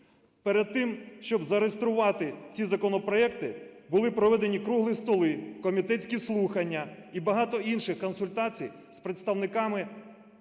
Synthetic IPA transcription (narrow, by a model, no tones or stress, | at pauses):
peɾed̪̚t̪ɪmʃt͡ʃɔbzɐɾest̪ɾʊʋɑt̪ɪt͡sʲizɐkɔnɔpɾɔɛkt̪ɪbʊlˠɪpɾɔʋɛd̪enʲikɾuɦlˠist̪ɔlˠɪkɔmʲit̪ɛt͡sʲkʲislˠuxɐnʲːɐibɐɦɑt̪ɔinʃɪxkɔnsʊlʲt̪ɑt͡sʲij | spɾet̪st̪ɐwnɪkɑmɪ